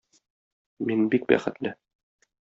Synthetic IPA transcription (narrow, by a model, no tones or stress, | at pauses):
minbik̚bæ̰χɘ̆t̪lɘ